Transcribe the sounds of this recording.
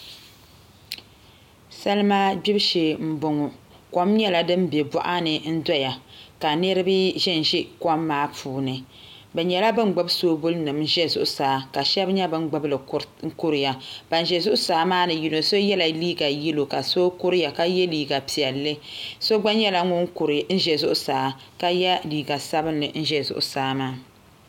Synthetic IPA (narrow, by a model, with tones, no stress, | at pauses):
sa˦lma˦bi˦bʃe˨m̩˦bʊ˦ŋʊ˨ | kɔ˦mɲɛ˦la˨dɨ˦mbe˨bɔ̰˦ʔa˦nɨ˨n̩˦dɔ˦ja˨ka˨nɨ˦ɾɨ˦bɨ˦ʒɛ˦n˨ʒi˦kɔ˦mːaː˦pʰuː˨˦nɨ˨ | bɛ˨ɲɛ˨la˦bɨ˦ŋ͡mɡ͡bʊ˦bsoː˦bʊ˦lnɨ˨m˦ʒɛ˦zʊ̰˦ʔʊ˦saː˨˦ka˨ʃɛ˦bɲɛ˦bɨ˦ŋ͡mɡ͡bɨ˦blɨ˨ŋ̩˦ku˦ɾɨ˨ja˨b̥a˨n˨ʒɛ˨zʊ˦ʔʊ˦saː˨˦maː˦nɨ˨ji˨no˨so˦jɛ˦la˨liː˦ɡa˨ji˦lo˨ka˨so˦kʊ˦ɾja˨ka˦jɛ˦liː˨ɡa˨pi˨ɛ˨lːɨ˦so˦ɡ͡ba˦ɲɛ˦la˦ŋʊ˦ŋ˦˨n̩˦ʒɛ˨zʊ˦ʔʊ˦saː˨ka˦jɛ˦liː˨ɡa˨sa˦bɨ˦nːɨ˨n̩˦ʒɛ˦zʊ̰˨ʔʊ˦saː˨˦maː˦